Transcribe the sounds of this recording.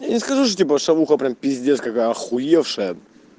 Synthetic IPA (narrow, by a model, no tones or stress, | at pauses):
janʲɪskɐʐuʂ̬tʲipəʂɐvuxəpɾʲampʲɪzʲd̪ʲeskɐkaɐxʊjefʂɨjə